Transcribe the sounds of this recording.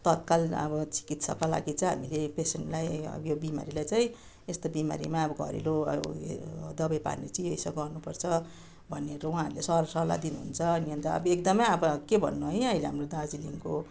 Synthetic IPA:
t̪ʌt̪̚kalʌ̰bʌt͡si̥kit̪sʌ̰kala̰ɡit͡sʌɦa̰milepesenʈlajʌ̰bjobima̰ɾilajt͡saĩ | est̪obima̰ɾḭmaʌbʌɡʱʌ̰ɾḛlo | d̪ʌbajpa̰rnit͡siejsʌɡʌrnupʌrt͡sʰʌ | bʱʌnːeɾowũɦãːɦʌɾulesʌlsʌla̰d̪inuɦṵnt͡sʰʌniʌnt̪ʌʌ̰bʌek̚d̪ʌmʌjʌbʌkebʱʌ̰nːuɦʌjʌileɦamrod̪ad͡ziliŋko

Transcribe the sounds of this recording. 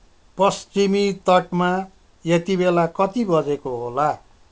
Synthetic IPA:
pʌst͡simit̪ʌʈma | jet̪ibelakʌt̪ibʌd͡zekoɦola

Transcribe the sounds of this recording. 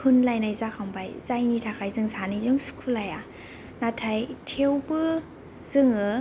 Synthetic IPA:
kʰɯnlajnajzakʰambajzajnitʰakʰajzɯŋsanizɯŋsu̥kʰulaja | natʰajtʰewbɯ | z̥ɯŋɯ

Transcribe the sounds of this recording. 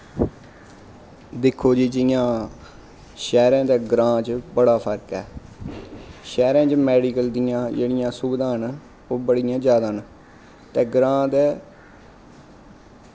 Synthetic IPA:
d̪ɪkʰːoːd͡ʒiːd͡ʒɪjãː | ʃɛːɾãːd̪ɛːɡɾãːt͡ʃbəɽaːpʰəɾkɛː | ʃɛːɾãːt͡ʃmɛːɽiːkəld̪ɪjãːd͡ʒeːɽɪjãːsʊbd̪ãːɦən | oːbəɽɪjãːd͡ʒjaːd̪aːən | t̪ɛːɡɾãːd̪ɛː

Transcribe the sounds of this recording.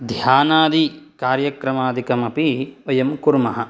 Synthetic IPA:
d̪ʱjaːnaːd̪ikaːɾjɐkɾɐmaːd̪ikɐmɐpiojɐmkuɾmɐɦɐ

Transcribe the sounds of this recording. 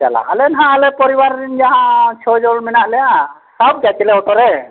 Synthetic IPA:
t͡ʃa̰la̰ɦalɛnɦãalɛpɔɾiwaɾːind͡ʒaɦãt͡ʃʰɔd͡ʒɔlmɛnaʔlɛja | sab̚d͡ʒat͡ʃɛlɛɔʈɔɾɛ

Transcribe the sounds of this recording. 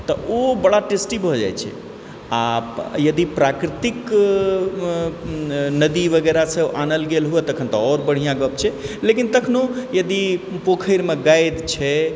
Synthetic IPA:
t̪ɔobəɽaʈesʈibʱɔd͡ʒa̰jt͡ʃʰɛ̰ | ajəd̪ipɾakɾit̪ik | nəd̪ibəɡɛɾasɛoʔanəlɡelɦuɛt̪əkʰənt̪ɔɔɾbəɽ̤ijãɡəp̚t͡ʃʰɛlekint̪əkʰnojəd̪ipokʰəjɾmeɡajd̪t͡ʃʰɛ

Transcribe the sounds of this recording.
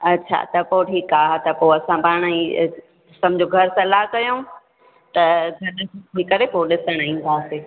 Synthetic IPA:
ɐtːɕʰa̰t̪ɐpoʈʰiːkaːɦt̪ɐpoɐsãpaːɽ̃ĩ | sɐmd͡ʑoːɡʱɐɾsɐlaːɦkɐjoː | t̪ɐɡʱɐɾə̃ʈʰiːkɐɾepoɗɪsəɽ̃ĩnd̪ʰʱaːseː

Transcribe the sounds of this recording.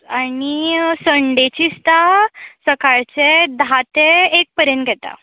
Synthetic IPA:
anisəɳɖet͡ɕist̪asəkaɭt͡sed̪ʱat̪eːk̚pəɾjənt̪ɡʱɛt̪a̰

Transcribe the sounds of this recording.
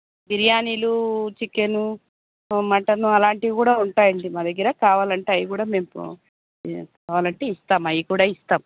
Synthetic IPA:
ɡ̪iɾjaːniːlut͡ʃikːenu | mɐʈɐnuɐlaːɳʈiikuːɽaːuɳʈaːjɐɳɖimaːd̪ɐɡːɐɾɐkaːʋaːlɐɳʈaːjikuːɽaːme̞ːm̰ | kaːʋaːlɐɳʈe̞ːist̪aːmɐjikuːɽaːist̪aːmu

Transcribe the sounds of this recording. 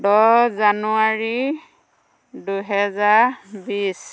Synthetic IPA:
dɔzanuaɹi | duɦɛzaɹbis

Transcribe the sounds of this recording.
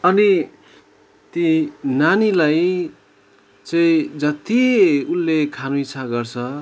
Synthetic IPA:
ʌni | t̪inanilaj | t͡sʌ̃ĩd͡zʌt̪iulːekʰanuit͡sʰaɡʌrt͡sʰʌ

